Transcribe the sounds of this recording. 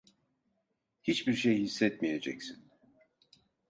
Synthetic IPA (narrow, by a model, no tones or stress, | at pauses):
hit͡ʃbiɾʃejhisːɛt̪mije̞d͡ʒɛ̰csin